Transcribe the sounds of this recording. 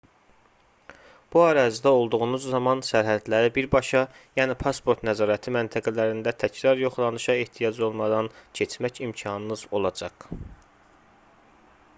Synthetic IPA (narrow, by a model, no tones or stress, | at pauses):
b̥uæɾɑzid̪æo̞lˠd̪uɣunuzːɑmɑnsæɾɦæd̪læɾibiɾbɑʃɑjæːnipʰɑspʰo̞ɾt̪næzɑːɾæt̪ʰimænt̪ʰæɡælæɾind̪æt̪ʰæcɾɑɾjo̞χlˠɑnɯʃɑeht̪ʰijɑd͡ʒo̞lˠmɑd̪ɑncʰet͡ʃmæcimcʰɑnɯnɯz̥o̞lˠɑd͡ʒɑɡ̥